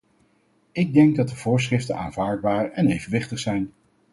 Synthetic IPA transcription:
ɪɡ̚dɛŋɡ̚dɑt̚dəv̥ʊːɹs̬χrɪftəna̰ːnvaːɹd̚baːɹɛnejvənʋɪχtəχsɛjn

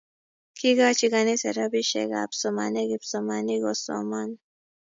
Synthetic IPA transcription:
kiɡat͡ʃiɡaniseɾabiʃḛɡa̰psoma̰neɡipsomaniɡoso̰man

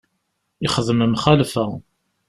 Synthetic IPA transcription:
iχəðəməmχælfæ

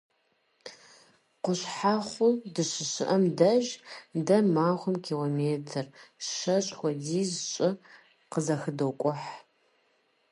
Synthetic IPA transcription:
qʷʊɕħaχʷʊdɨɕɪɕɪʔɐmdɐʒdɐmaːχʷʊmkʲʰiːloːmeːtʰɨrʃɐɕʼxʷɔdiːzɕʼɪ | qəzɐxɨdowkʷʼʊħ

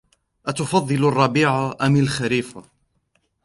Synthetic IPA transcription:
ʔat̪ʊfɑðˤːɨlɑrˤːɑbiːʕaʔamalxaɾiːfa

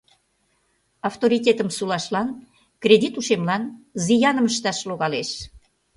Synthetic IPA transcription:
ɑft̪oɾit̪ʲet̪əmsulɑʃlɑn | kred̪ʲit̪uʃemlɑnzijɑnəməʃt̪ɑʃloɣɑleʃ

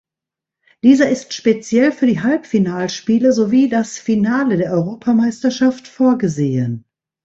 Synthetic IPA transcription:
d̥iːzɐɪstʃpet͡sjɛlfyːɐdiːɦalpfinaːlʃpiːləzoviːdasfinaːlədeːɐɔʏʁoːpʰamaɪstɐʃaftfoːɐɡəzeːən

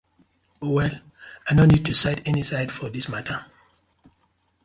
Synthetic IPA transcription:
owɛl | aɪjnonːid̚tʰusaɪdɛnisaɪdfɔðismatʰə

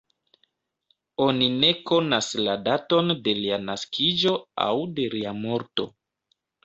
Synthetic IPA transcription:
o̞nine̞ko̞nasladato̞nde̞lianaskʰid͡ʒo̞a̰wde̞liamo̞ɾto̞̰

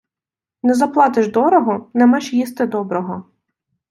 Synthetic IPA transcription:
nɛzɐplˠɑt̪ɪʒd̪ɔɾɔɦɔnɛmaʃjist̪ɪd̪ɔbɾɔɦɔ

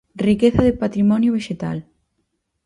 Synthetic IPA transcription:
rikeθɐðepat̪ɾimɔnjʊβ̞eʃet̪a̰l

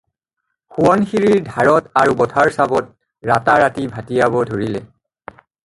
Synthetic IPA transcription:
xuɔnxiɹiɹdʱaɹɔtaɹubɔtʰaɹsabɔt̚ | ɹataɹatibʱatijabɔdʱoɹilɛ̰

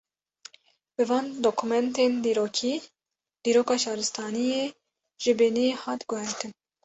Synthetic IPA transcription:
bɨvɑːnd̪oːkʰumɛnt̪eːnd̪iɾoːkʰiː | d̪̥iːɾoːkɑːʃɑːɾɨst̪ʰɑːnijeː | ʒ̥ɪbeːnijehɑːt̪ɡʊhɛɾt̪ɨn

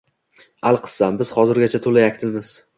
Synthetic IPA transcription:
alˠqʰɨ̥ssambɪz̥hɒzɪɾɡʲat͡ʃʰat̪ʰolajakʲt̪ʰɪlmɪz

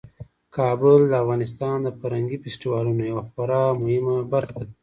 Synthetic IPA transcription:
kʰɑbʊld̪əafɣɑnɪs̬t̪ɑnd̪əfaɾhaŋɡifesʈiwɑlunojawaxaɾɑmʊhɪmabaɾxad̪i

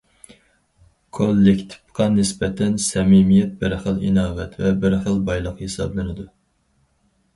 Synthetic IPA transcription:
kʰolˠːɪkʲt̪ʰɪ̥pqʰɑnɪsbɛt̪ʰɛnsɛmimijɛt̪̚bɪɾχəlˠḭnɑːwɛt̪vɛbɪɾχəlˠbɑjlˠəqhesɑ̰blˠɪnɪd̪u

